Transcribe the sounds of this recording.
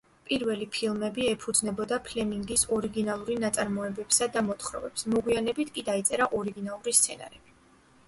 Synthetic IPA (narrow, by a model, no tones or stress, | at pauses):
pʼiɾvɛlipʰilˠmɛbiɛpʰud̪znɛbɔd̪apʰlɛmiŋɡisɔɾiɡinalˠuɾinat̪sʼaɾmɔɛbɛpsad̪amɔt̪χɾɔ̰vɛpsmɔɡwianɛbit̪ʰkʼid̪ait̪sʼɛɾaʔɔɾiɡinalˠuɾist̪sʰɛna̰ɾɛb̥i